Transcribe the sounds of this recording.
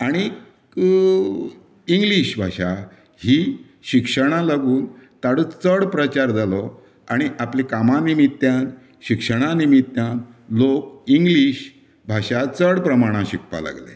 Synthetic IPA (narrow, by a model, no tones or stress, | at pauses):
aɽ̃i | iŋɡliɕbʱa̰ɕa | hi | ɕikʂəɽ̃ãlaɡuːnt̪aɽət͡səɽpɾət͡ɕaɾd͡zalɔ | aɽ̃iʔaplikamanimit̪ːjãn | ɕikʂəɽ̃animit̪ːjãnlokiŋɡliɕ | bʱaɕat͡səɽpɾəmaɽ̃ãɕik̚ʰpa̰la̰ɡlḛ